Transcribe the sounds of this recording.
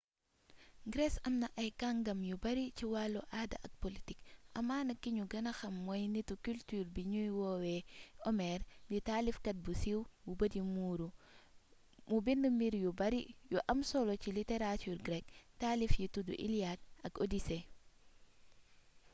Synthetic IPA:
ɡɾesɐmnɐʔajkaŋɡɐmjubɐɾit͡ʃiwaluʔada̰ʔɐk̚politikʔɐmaːnɐkiɲuɡɐnɐxɐmːojnitukyltuɾbiɲujwowɛomɛɾbitalifkɐt̚busiwwubɐdimuɾu | mubindumbiɾjubɐɾijuʔɐmsolociliteɾatuɾɡɾɛk̚talifjitudṵʔḭliad̚ɐkodise

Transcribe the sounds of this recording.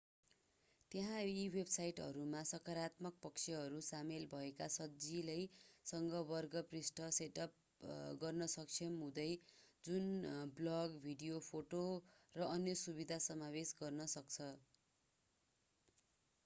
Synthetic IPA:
t̪eɦãiwebsajʈʌ̰ɾumasʌkaɾat̪mʌk̚pʌkt͡sʰeɦʌɾusamelbʱʌekasʌd͡zilajsʌŋɡʌbʌrɡʌprisʈʌseʈʌp | ɡʌrnʌsʌk̚t͡sʰʌmɦũd̪ʌjd͡zunblʌɡbʱiɖijopʰoʈorʌʌnjʌsubid̪ʱasʌmabesɡʌrnʌsʌk̚t͡sʰʌ

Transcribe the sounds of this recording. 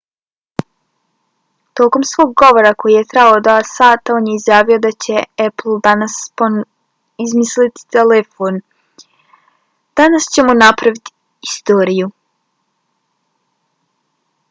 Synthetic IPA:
t̪o̞ːko̞msʋo̞ɡɡo̞ʋo̞ɾako̞jije̞t̪ɾaaod̪asaːt̪ao̞ːnjeizjaːʋijo̞d̪at͡ɕe̞epl̩ˠd̪anaspo | izmislit̪i̥t̪elefon | d̪̥anast͡ɕe̞munapɾaʋit̪i̥ | ist̪oːɾiju

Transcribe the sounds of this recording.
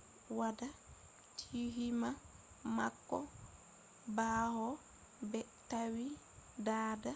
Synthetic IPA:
wada | tʰiɦima | ma̰kːɔ̰ | baːhɔ | bɛ | tawi | daːda

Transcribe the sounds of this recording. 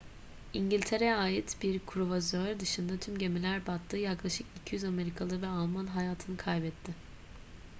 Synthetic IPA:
iɲɟilʲt̪ʰe̞ɾɛaːjit̪biɾkʰuɾuvazøɾd̪ɯʃɯnd̪at̪ʰymɟe̞milʲæɾbat̪ːɯːjaklˠaʃɯkicʰijyzame̞ɾikʰalˠɯːvɛalˠmanɦajaːt̪ʰɯnɯkʰajbɛt̪ʰːɪ

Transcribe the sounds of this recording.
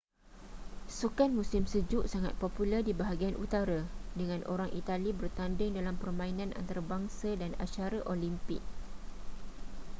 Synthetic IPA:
sukanmũsɪmsəd͡ʒʊʔsaŋa̰t̪̚populərdibaɦaɡianʔṵt̪aɾadəŋãnʔo̰ɾaŋʔit̪alibərt̪andɪŋdalampərmãinãnʔa̰nt̪aɾabaŋsadana̰t͡ʃaɾaʔolimpɪk̚

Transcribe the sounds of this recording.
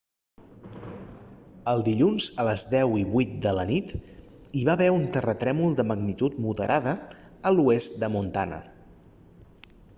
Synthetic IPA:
əlˠd̪iʎunzələzðɛwiβujt̪̚d̪ələnit̪ | iβaβɛunt̪ərət̪ɾɛmulˠd̪əməɡnit̪ut̪muðəɾʔaðə | əluest̪̚d̪əmunt̪a̰nə̰

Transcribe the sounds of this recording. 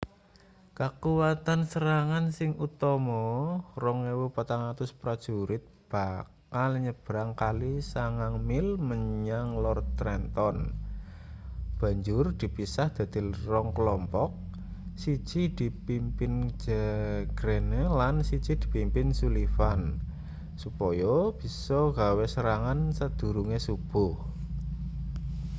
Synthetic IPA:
kakuwat̪ansəɾaŋansɪŋut̪ɔmɔrɔŋewopat̪aŋat̪ʊspɾad̥ʒ̥uɾɪt̪̚b̥a̤kalɲəb̥əɾaŋkalisaŋaŋmɪlməɲaŋlɔrt̪ɾɛnt̪ɔn | b̥a̤ɲd͡ʒʊrd̪̥i̤pisahd̪̥ä̤d̪̥i̤lrɔŋkəlɔmpɔk̚ | si̥d͡ʒ̥id̪̥i̤pimpɪnd͡ʒ̥əɡ̥ɾenelansi̥d͡ʒ̥id̪̥i̤pimpɪnsulifan | supɔjɔb̥i̤sɔɡawesəɾaŋansəd̪̥ṳɾuŋesub̥ʊh

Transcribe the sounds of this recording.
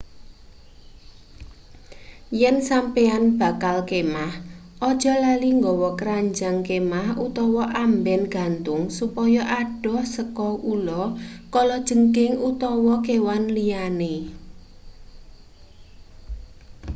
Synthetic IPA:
jɛnsampeanb̥a̤kalkemahʔɔd̥ʒ̥ɔ̤laliŋɡɔwɔkəɾaɲd͡ʒaŋkemahut̪ɔwɔʔambɛnɡ̥a̤nt̪ʊŋsupɔjɔʔaɖ̥ɔ̤səkɔulɔkɔlɔd̥ʒ̥ə̤ŋkɪŋut̪ɔwɔkewanliane

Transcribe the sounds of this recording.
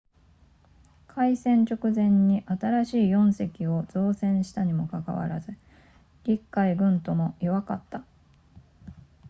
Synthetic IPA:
kʰaisẽ̞ɲ̟t͡ɕo̞kɯ̟zẽ̞ɲ̟ːiʔat̪aɾaɕiːjõ̞ɰ̃se̞kʲio̞z̥o̞ːsẽ̞ɰ̃ɕi̥t̪aɲ̟imo̞kaka̰βa̰ɾa̰zɨ | ɡʲikːaiɡɯ̟̃nt̪o̞mo̞iβaka̰t̪ːa

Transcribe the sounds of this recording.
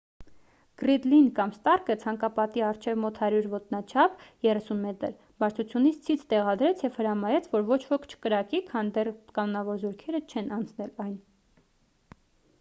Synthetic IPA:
ɡ̥ɾid̪linkɑmst̪ɑrkət͡sʰɑŋkɑpɑt̪iɑrt͡ʃʰɛvmɔt̪hɑɾjuɾvɔt̪nɑt͡ʃʰɑpʰjɛrɛsunmɛt̪əɾ | bɑɾt͡sʰut͡sʰjunit͡sʰt͡sʰit͡sʰt̪ɛʁɑd̪ɾɛt͡sʰjɛvhəɾɑmɑɾɛt͡sʰvɔɾvɔt͡ʃʰvɔkʰt͡ʃʰə̥kəɾɑkikʰɑnd̪ɛrkɑnɔnɑvɔɾzɔɾkʰɛɾət͡ʃʰɛnɑnt͡sʰnɛlɑjn

